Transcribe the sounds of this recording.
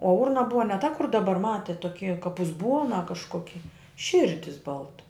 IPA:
oː ˈʊrnɐ ˈbʊʋɐ nʲɛ tɐ kʊr dɐˈbɐr ˈmɑːtʲeːt toːˈkʲiː kɐp ʊzˈbuɔnɐ kɐʃˈkoːkʲɪ ˈʃʲɪrʲdʲɪs ˈbɐlˠtɐ

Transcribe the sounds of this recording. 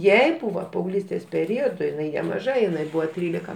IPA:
ˈjɛɪ ˈbuːʋɐ pɐɐʊˈɡlʲiːsʲtʲeːs pʲɛˈrʲoːdʊ jɪˈnɐɪ nʲɛmɐˈʒɐ jɪˈnɐɪ ˈbuːʋɐ ˈtʲrʲiːlʲɪkɐ

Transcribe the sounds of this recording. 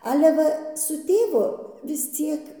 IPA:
ˈɑːlʲɛ ˈʋɐ sʊ ˈtʲeːʋʊ ʋʲɪs ˈt͡sʲiɛk

